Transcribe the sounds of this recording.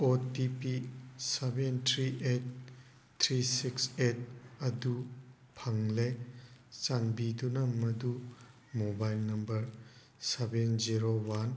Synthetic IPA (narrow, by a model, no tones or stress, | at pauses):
otipisebentʰɾiʔet̚ːʰ | ɾisikset̚ɐdu | pʰaŋlet͡ʃanbidunɐmɐdu | mobajlnɐmbɐɾ | sebenziɾowan